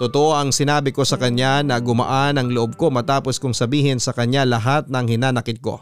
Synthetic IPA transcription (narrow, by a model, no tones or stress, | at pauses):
t̪ot̪oʔoʔɐŋsɪnaːbɪko̞sɐkɐɲanɐɡʊmɐ̰ʔanɐŋloʔob̚ko̞mɐt̪aːpo̞skʊŋsɐbiːhɪnsɐkɐɲalɐɦat̪̚nɐŋhɪnaːnɐkɪd̪̚ko̞̰